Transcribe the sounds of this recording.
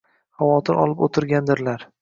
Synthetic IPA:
havɒt̪ʰɪɾʔɒ̰lˠɪpot̪ʰɪɾɡʲand̪ɪɾlaɾ

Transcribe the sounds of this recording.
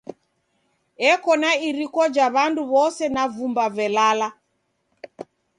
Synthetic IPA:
ɛkɔnaiɾikɔd͡ʒaβanduβɔsɛnavumbavɛlala

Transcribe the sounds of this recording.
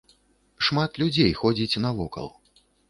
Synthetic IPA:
ʂmat̪lʲud͡zʲejxɔd͡zʲit͡sʲnɐvɔkɐ̰lˠ

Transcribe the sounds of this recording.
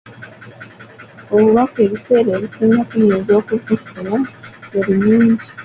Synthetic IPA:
o̞βuβake̞ːβise̞ːɾeːβisiːŋɡakujeːnzo̞ːkutaktonaeɾiɲiːɲɟi

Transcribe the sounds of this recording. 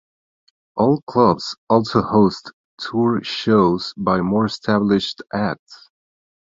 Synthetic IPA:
ʔɔlˠkʰl̥ʌbz̥ɔlˠsoʊhoʊst | tʰːuɹʃoʊz̥baɪmɔɹɨstʰæblɪʃtʔæk̚ts

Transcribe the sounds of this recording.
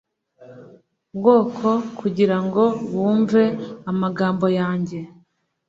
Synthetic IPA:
bɡo̞ːkʰo̞kuɟiɾaŋɡo̞wuːɱve̞amaɡaːmbo̞jaːɲɟe̞

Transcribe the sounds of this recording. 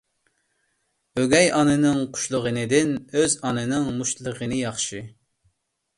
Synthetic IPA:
øɡʲɛjɑnɨnɨŋqʰʊ̥ʃlˠəʁənɨd̪ɪnøzɑnɨnɨŋmuʃlˠəʁənɨjɑχʃɨ

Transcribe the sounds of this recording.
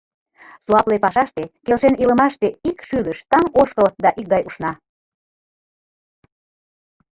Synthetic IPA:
suɑplepɑʃɑʃt̪ekelʃenilə̆mɑʃt̪eikʃyləʃt̪ɑŋoʃkəld̪ɑʔik̚ɡɑjuʃnɑ

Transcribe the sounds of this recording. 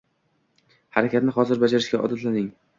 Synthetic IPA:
haɾakʲʰat̪nɪχɒzɪɾbad͡ʒaɾɪʃɡʲaʔɒ̰d̪at̪lanɪŋ

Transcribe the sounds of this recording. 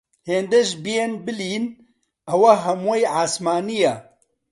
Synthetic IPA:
heːnd̪ɛʒbijenbɨliːn | ɐwɐɦɐmwejʕaːsmaːnija

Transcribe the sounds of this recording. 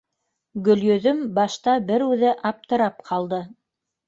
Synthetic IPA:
ɡɵ̆ljɵ̆ðɵmbɑʃt̪ɑbɘɾʉðɘʔɑp̚t̪ɤ̆ɾɑp̚qʰɑlˠd̪ɤ

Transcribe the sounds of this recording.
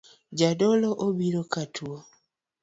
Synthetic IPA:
ɟadoloʔobiɾokatʰuo

